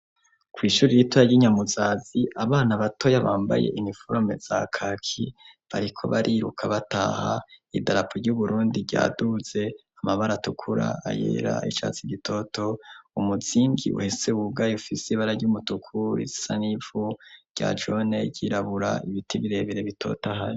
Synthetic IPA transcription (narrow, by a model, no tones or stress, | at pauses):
kwiːʃuːɾijitwojaɟiɲamuzaːziʔaβaːnaβatʰo̞jaβaːmba̰je̞̰ʔinifoɾo̞mez̥akʰakʰiβaɾikʰo̞̰βaɾʔiɾukʰaβata̰ːhaidaɾapʰoɾɟuβuɾuːndiɟa̰ːduz̥e̞ | amaβaɾatukʰuɾa̰a̰jḛːɾa̰it͡ʃa̰t͡siɟitʰo̞to̞umuziːŋɡḭʔṵheseuɡajufisiiβaɾaɟumutukʰuḭzisanivu̥ɟ̥a̰d͡ʒoneɟiɾaβuɾaiβitʰiβiɾe̞βiɾe̞βitʰo̞̰taɦaɾi